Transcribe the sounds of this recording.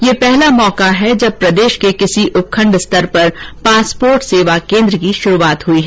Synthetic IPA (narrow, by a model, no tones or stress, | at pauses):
jeːpɛɦlamɔːkaɦɛd͡ʒɐb̚pɾɐd̪eːʃkekɪsiʔʊp̚kʰə̃ɳɖst̪ɐɾpɐɾpaːspoːɾʈseːʋakẽːnd̪ɾəkiʃʊɾuaːt̪ɦʊiɦɛː